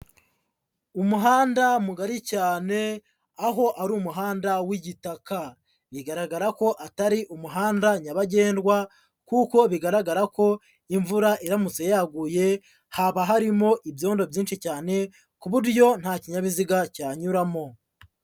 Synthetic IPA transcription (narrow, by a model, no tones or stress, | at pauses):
umuɦaːndamuɡaɾicaːne̞ | aɦo̞ʔaɾuːmuɦaːndawiɟitaka | βiɡaɾaɡaɾako̞ʔataɾiʔumuɦaːndaɲaβaɟe̞ːndɡwa | kuko̞βiɡaɾaɡaɾako̞ | iɱvuɾaʔiɾamut͡sejjaɡuje̞ | haβaɦaɾimo̞ʔibjo̞ːndo̞bjiːnʃicaːne̞ | kuβuɾjo̞n̥haːciɲaβiziɡacaːɲuɾamo̞